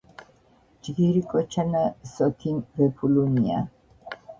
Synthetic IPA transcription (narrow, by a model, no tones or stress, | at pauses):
d͡ʒɡiɾikʼɔt͡ʃʰanasɔt̪ʰinvɛpʰulunia̰